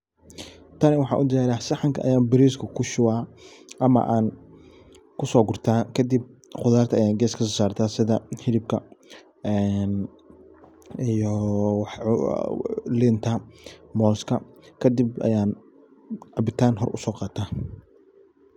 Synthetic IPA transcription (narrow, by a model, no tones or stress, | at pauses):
t̪ʰɐnɛwɑħɑ̰ːʔʊd̪ɛaːɾɐsɐħɑŋkʰɐɐ̰jaːnbɪɾiːskʰɐkʰʊʃʊwaːʔɐmɐ̰ʔaːn | kʰʊsɔːɡʊrt̪ʰaːkʰɐd̪ib̚qʊðaːrt̪ʰɐɐjaːnɡɛːskʰɐsɔːsaːrt̪ʰaːsɪðɐhɪlɪb̚kʰɐ | ɛn | ijɔwɑħ | lɪnt̪ʰɐmɔːskʰɐ̰kʰɐd̪ibɐ̰jaːn | ʕɑbɪt̪ʰaːnɦɔrʔʊ̰sɔːqɑːt̪ʰaː